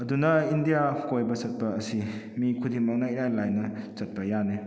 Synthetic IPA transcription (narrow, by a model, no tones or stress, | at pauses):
ɐdunɐindijakojbɐt͡ʃɐt̚pɐːsi | mikʰudiŋmaŋnaiɾajlajnɐt͡ʃɐt̚pɐjane